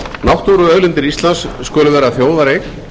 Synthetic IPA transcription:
nawht̪oɾʏœɣlɪnt̪ɪɾist̪lansːkœːlʏvɛːɾaθjoːwðaɾejx

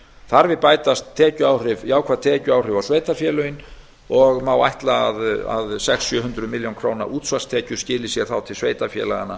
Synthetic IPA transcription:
θaɾvɪðpaːjt̪ast̪ʰːɛːcʏaːwrɪviaːwkʰvat̪ʰɛːcʏaːwrɪvawsveːjt̪afjɛːlœjɪn | ɔɣmaːwajht̪laːða̰ðsɛksːjœːɦʏnt̪ɾʏmɪljownkʰɾoːwna̰ʔuːt̪svḁst̪ʰɛːcʏ̥scɪːlɪsjɛɾ̥θawt̪ʰɪlsveːjt̪afjɛ̰ːla̰ɣa̰nːa

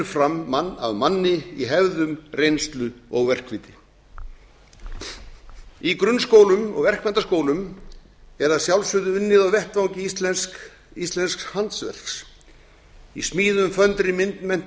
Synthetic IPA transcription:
ɾfɾamːanːa̰ðmanːɪiɦɛvðʏmrejnst̪lʏɔɣvɛr̥kviːt̪ɪ | ikɾʏnskoːwlʏmɔ̰ɣvɛr̥kmɛnt̪askoːwlʏm | ɛɾaðsjawlsʏðʏʏnːɪðaɣvɛht̪vawŋcɪt̪s | ist̪lɛnskshant̪svɛ̰r̥ks | ismiːðʏmfœnt̪ɾɪmɪnt̪nmɛn̥

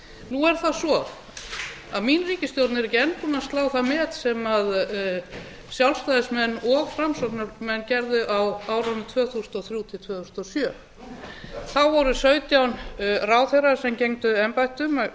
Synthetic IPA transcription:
nuɛɾ̥θaðsɔ | aðminriːcɪst̪jowt̪nɪɾɪcɛnp̪unast̪laːwθaðmɛːt̪sɛmað | sjawlst̪ajðɪsmɛnːɔɣfɾamsɔt̪naɾmɛnːcɛɾðʏʔawaːwɾanʏt̪ʰvœːθusʏnɔθɾjut̪ʰɪlt̪ʰvœːθusnɔsjœː | θawvɔɾʏsœːɥt̪jawnraːwθejɾasɛmcejŋt̪ʏɛmpajht̪ʏma

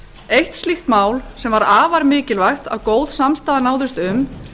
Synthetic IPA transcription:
ejht̪st̪lixt̪maːwlsɛmvaɾaːvaɾmɪːcɪlvajxt̪a̰wkoːwðsamst̪aːðanaːwðɪst̪ʏm

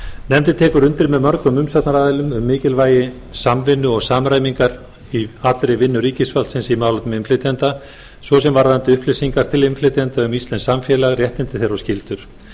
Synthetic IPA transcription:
nɛmt̪ɪt̪ʰɛːkʏɾʏnt̪ɪɾmɛðmœɾkʏmʏmsat̪naɾaːðɛlʏmʏmːɪːcɪlvaːjɪ | samvɪnːʏɔɣsaːmɾajmiŋkaɾ | iat̪ɾɪvɪnːʏɾiːcɪsfalt̪sɪnsimaːwlat̪nʏmɪmflɪt̪ʰjɛnt̪a | svɔsɛmvaɾaant̪ɪʏhplɪsiŋkaɾ̥t̪ʰɪlɪmflɪt̪ʰjɛnt̪aʏmist̪ɛnsamfjɛːlaɣrjɛht̪ɪnt̪ɪθɛɾɔscɪlt̪ʏɾ̥

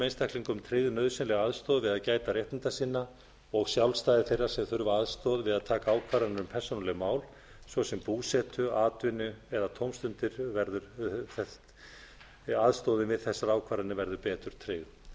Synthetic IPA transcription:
ejnst̪akliŋkʏmt̪ʰɾɪðʏnœːðsɛnlɛɣaðst̪ɔːðvɪðaðcaːjt̪arɛht̪ɪnt̪asiːnːa | ɔɣsjawlst̪aːjðɪɾθejrːaɾ̥sɛmθʏɾvaaðst̪ɔðvɪðaðt̪ʰaːkaaːwkʰvaːɾanʏmpʰɛr̥sonalɪɣmaːwl | svɔsɛmpuːsɛt̪ʏaːt̪vɪnʏɛðat̪ʰowmst̪ʏnt̪ɪɾvɛɾðʏɾθɛ | aðst̪ɔːðɪnvɪðθɛsːaɾaːwkʰvaːɾanɪvɛɾðʏpɛːt̪ʏɾ̥t̪ʰɾɪːð

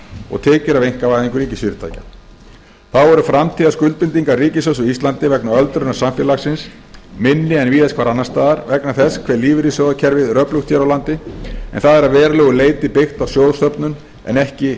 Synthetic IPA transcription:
ɔ̰ɣt̪ʰɛːcʏɾavejŋ̥kavaːjðiŋkʏɾiːcɪsfiɾɪt̪ʰa̰ːjca | θawɛɾʏfɾamt̪ʰiːðaskʏlt̪̚pɪnt̪iŋkaɾriːcɪsœsʏist̪lant̪ɪvɛknaœlt̪ɾʏnasamfjɛlaxsɪns | mɪnːɪɛnviːðɛskʰvaːɾanːaɾ̥st̪aːðaɾvɛknaθɛskʰvɛɾliːvɪɾisɔwðacʰɛɾvɪðrœːpluxt̪ʰjɛɾawlant̪ɪɛ̰nθaðɛɾaðvɛːɾalɛːɣʏleːjt̪ɪpɪxt̪awsjoːwðst̪œpnʏn | ɛ̰nɛhcɪ

